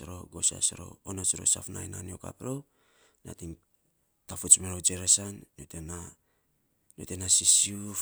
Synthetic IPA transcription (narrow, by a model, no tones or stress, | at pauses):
ɾo̞ɡo̞sa̰seɾo̞̰onot͡ʃiɾo̞̰safnajnanio̞ka̰pɾo | na̰tiŋ | tafut͡ʃmeɾod͡ʒeɾesanːiotena | nio̰te̞nasisiu